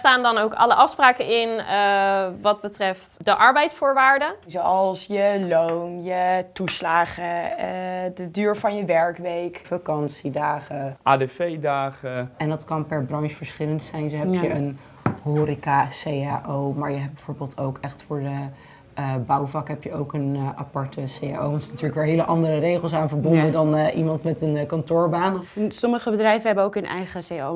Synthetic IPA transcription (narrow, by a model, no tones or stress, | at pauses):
staːndɑnowkɑ̰ləʔɑfspraːkənɪnəʋɑd̚bətrɛftdəʔɑɹbɛjtsfʊːɹʋaːɹdəzowɑlˠsjəlownjətuslaːχə | dədyːɹvɑnjəʋɛɹkʋejkfakɑnsidaːχəʔaːdefejdaːχəɛndɑtkɑnpɛɹbrɑnsfəɹsχɪləntsɛjnzoɦɛpjəʔən | hoːɾikasejaʔowmaːɹjəɦɛbɛjv̥oːɹbeːlˠtowkɛχtfʊːɹdə | bɑwvɑkɦɛpjəowkənʔapɑɹtəseja̰o̰wʋɑntsnatyːɹləkʋɛːɹɦeləʔɑndərərejχəlˠs̬aːnvəɹbɔndədɑnʔimɑntmɛtənkɑntʊːɹbaːnsɔməχəbədrɛjvəɦɛbəowkɦɵnʔɛ̰jχəseo